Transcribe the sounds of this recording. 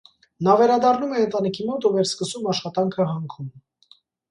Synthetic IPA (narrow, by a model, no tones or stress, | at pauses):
nɑvɛɾɑd̪ɑrnumɛənt̪ɑnikʰimɔt̪uvɛɾskəsumɑʃχɑt̪ɑŋkʰəɦɑŋkʰum